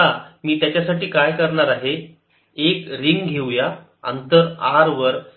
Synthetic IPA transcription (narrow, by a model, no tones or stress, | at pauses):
amiːt̪jat͡ɕjasaʈiːkajkəɾɳaɾaɦe | ekɾiŋɡɡʱewja | ə̰nt̪əɾaɾʋəɾ